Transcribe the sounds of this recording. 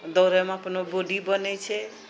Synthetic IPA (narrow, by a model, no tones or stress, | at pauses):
d̪ɔwɾamapnoboɖibʌnet͡ʃʰe